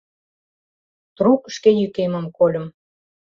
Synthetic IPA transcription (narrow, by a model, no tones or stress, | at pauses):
t̪rukʃkejykemə̆mkolʲə̆m